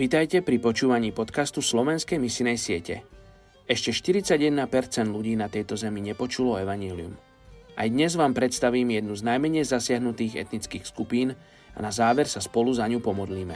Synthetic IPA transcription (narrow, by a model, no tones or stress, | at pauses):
ʋit̪ajcɛpɾipɔt͡ʃuːʋaɲiːpɔt̪kast̪uslɔʋɛnskɛjmisinɛjsɪɛcɛ̰ | ɛʃcɛʃt̪iɾit͡saɟjɛd̪napɛɾt͡sɛnd̪luɟiːnat̪ɛjt̪ɔzɛmiɲɛpɔt͡ʃulɔɛʋaɲɛːliṵm | ʔa̰jd̪ɲɛzʋaːmpɾɛt̪st̪aʋiːmjɛd̪nuznajmɛɲɛjzasɪaɦnut̪iːɣɛ̰t̪nitt͡skiːxskupiːn | a̰nazaːʋɛɾsaspɔluzaɲupɔmɔd̪liːmɛ̰